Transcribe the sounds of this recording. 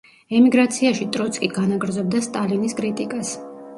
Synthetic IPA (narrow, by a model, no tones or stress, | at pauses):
ɛmiɡɾat̪sʰiaʃit̪ʼɾɔt̪sʰʼkʼiɡ̥anaɡɾd̪zɔb̚d̪ast̪ʼaliniskʼɾit̪ʼikʼas